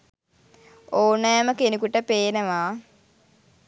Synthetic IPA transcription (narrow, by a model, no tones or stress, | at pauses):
oːnajaməkenikuʈəpeːnəʋa